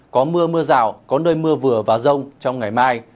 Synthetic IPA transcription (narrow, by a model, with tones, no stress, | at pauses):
kɔ˨˦mɨ˧əmɨ˧əza̰ː˧˩˨wkɔ˨˦nəː˧jmɨ˧əvɨ˨˩əvaː˨˩zə˧wŋ͡mt͡ɕɔ˧wŋ͡mŋa˨˩jmaː˧j